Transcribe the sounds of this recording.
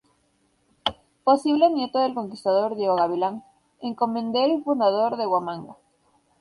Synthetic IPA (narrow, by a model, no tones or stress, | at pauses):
posiβlemjet̪oðelko̞ŋkist̪aðoɾðjeɣoɣaβilaŋ | eŋkomẽnd̪eelfund̪aðoɾðeɣwamãŋɡa